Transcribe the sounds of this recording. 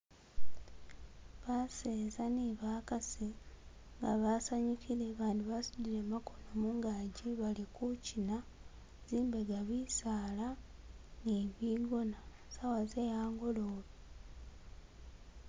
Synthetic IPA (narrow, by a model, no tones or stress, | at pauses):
βaseːzaniβakasiŋɡaβasaɲikʰiɾe̞βaːndiβasudiɾemako̞nomuŋɡaːɟiβalikucina | ziːmbe̞ɡaβisaːlaniβiːɡona | sawazejaːŋɡoloːβi